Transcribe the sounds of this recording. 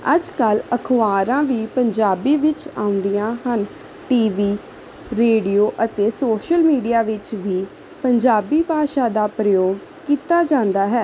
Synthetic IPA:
əd͡ʒkələkʰʋaːɾãːʋiːpəɲd͡ʒaːbiːʋɪt͡ʃaːʊ̃nd̪ijãːhən | ʈiːʋiː | ɾeːɖijoːʔət̪eːsoːʃəlmiːɖijaːʋɪt͡ʃʋiː | pəɲd͡ʒaːbiːbʱaːʃaːd̪aːpɾəjoːɡ | kiːt̪aːd͡ʒãːnd̪aːɦɛː

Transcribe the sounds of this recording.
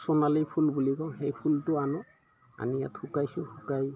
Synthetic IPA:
sɔnalipʰulbulikɔ̃xejpʰultʊanɔ | a̰nija̰txukajsʊhukaj

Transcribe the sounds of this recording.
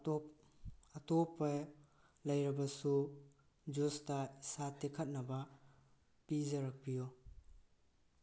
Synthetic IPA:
ɐtopːa | lɐjɾɐbɐsu | d͡ʒustasatekʰɐt̚nɐbɐ | pizɐɾɐk̚pijo

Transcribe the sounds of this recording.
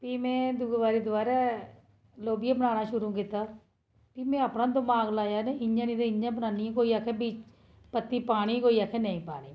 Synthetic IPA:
piːmɛ̃ːd̪uːɡʋaːɾiːd̪ʊʋaːɾaː | loːbijãːbənaːnaːʃʊɾũːkɪt̪ːaː | pimɛ̃ːapnãːd̪əmaːɡlaːjaːneɪɲãːniːd̪eɪɲjãːbənaːnijãkoːiːaːkʰɛːbiːt͡ʃ | pət̪ːiːpaːɽ̃iːkoːiːaːkʰɛːnə̃ĩːpaːɽ̃iː

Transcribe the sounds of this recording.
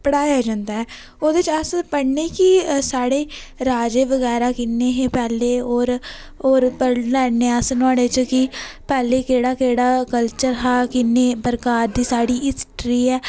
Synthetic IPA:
pəɽaːjaːd͡ʒãːnd̪aːɛː | oːd̪eɪt͡ʃəspəɽneːkɪsaːɽeːɾaːd͡ʒeːʋəɣɛːɾaːkɪnːeːɦeːpɛːleːoːɾ | oːɾpəɽlɛːneːəsnʊaːɽeːt͡ʃkɪpɛːleːkeːɽaːkeːɽaːkəlt͡ʃəɾɦaːkɪnːeːbəɾkaːɾd̪iːsaːɽiːɪsʈɾiːɛː

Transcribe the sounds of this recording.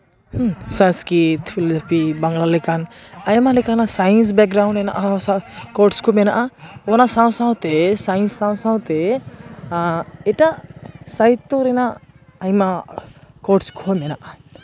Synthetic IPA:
sə̃nskɾit̪pʰilɔapibaŋɡlalɛkanajmalɛkanasajns̬bɛk̚ɡɾawɳɖɾɛna̰ʔaskɔɾʈskʰɔmɛnaʔaɔnasaw̃sãw̃t̪ɛsajnsãw̃sãw̃t̪ɛ | ɛʈaʔsajt̪ːɔɾɛnaʔː | jma | kɔʈskʰɔmɛnaʔa

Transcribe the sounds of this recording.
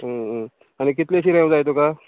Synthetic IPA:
ɦə | añikit̪leɕiɾẽʋ̃d͡zajt̪̬oka

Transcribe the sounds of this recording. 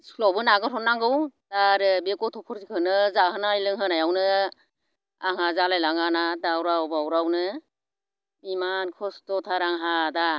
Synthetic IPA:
sʰlawbɯnaɡɯɾʰɔnːaŋɡɯwtaɾɯbekɔtʰɔpʰɔɾsikʰɯnɯzahɯnajlɯŋɦɯnajawnɯ | aŋazalajlaŋanadawɾawbawɾawnɯ | mimankʰɔstɔtʰaɾaŋɦada

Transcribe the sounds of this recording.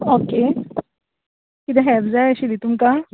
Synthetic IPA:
oke | kid̪ẽɦɛbd͡zaeəɕid̪it̪umka

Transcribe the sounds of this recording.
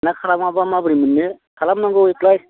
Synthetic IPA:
nakʰalamabamabɯɾimɯnːɯ | kʰalamnaŋɡɯjiklaj

